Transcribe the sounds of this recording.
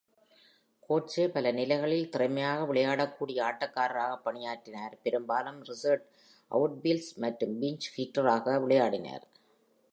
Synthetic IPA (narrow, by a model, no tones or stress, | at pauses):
koːʈt͡ʃeːpɐlɐnɪlɐɪɣɐɭɪlt̪ɪrɐɪmɐjaːɣɐʋɪɭɐjaːɽɐkːuːɽɪjɐaːʈːɐkːaːɾɐɾaːɣɐpːɐɳɪjaːʈːɪnaːɾpɛɾɯmbaːlɯmɾɪsɐɾʈ | ʔɐ̰ʋʈ̚bilsmɐʈrɯmbiɲt͡ʃfiːʈrɐɾaːɣɐʋɪɭɐjaːɽɪna̰ɾ